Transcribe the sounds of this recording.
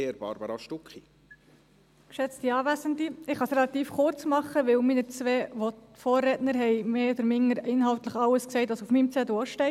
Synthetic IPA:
eɾb̥ɑ̰ɾbɑɾɑʃtʊkχi | kʃɛt͡stiɑːvæsəndiɪχɑsrɛlɑt̪iːfχʊɾt͡smɑχəʋɪwmiːnət͡sʋɛːʋɔ | fɔːrɛːtnəɾɦɛɪmeːɔd̥̪əɾmɪŋːəɾɪnɦɑʊt̪ləχɑwəsksɛɪtʋɑsufmiːmt͡sɛdoɔʃtɛɪ

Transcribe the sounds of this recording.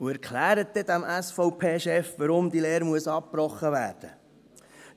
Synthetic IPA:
uæɾkʰlæːɾət̚d̪ɛd̪æmʔæsfɔʊpʰeːʃɛfʋəɾʊmd̪ileːɾmuəsɑp̚pɾɔχːəʋæːɾd̥ə

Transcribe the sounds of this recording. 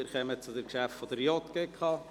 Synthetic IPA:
ɪɾkɛmət͡sʊdəkʃæftfɔd̥əɾjɔt̪ɡ̥eːkʰɑː

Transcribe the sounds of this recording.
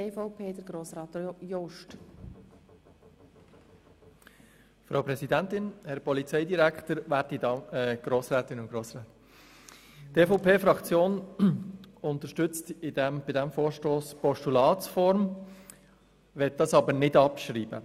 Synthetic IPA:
eːfɔʊpʰeːd̪əɾɡɾoːsɾɑːt̪jɔʃt | fɾawpɾɛsidæntɪnhɛɾpɔlit͡sɛɪdiɾækt̪əɾʋæːɾtidɑɛɡ̥ɾoːsɾɛːt̪ɪnʊntɡ̥ɾoːsɾaːt̪ | tefoʊpʰeːfɾɑkt͡sjoːn | ʊnt̪əʃtʏt͡st̪ɪd̪æmb̥ɪdæmfoːɾʃtoːspɔʃtulɑːtsfɔɾm | ʋɛt̚dɑsɑbəɾnɪdɑpʃɾiːbə̰

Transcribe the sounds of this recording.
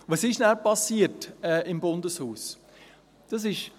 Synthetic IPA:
ʋɑsɪʃnæːpɑsiːətɛːʔɪmbʊndəshuːs | d̥ɑs̬ɪʃ

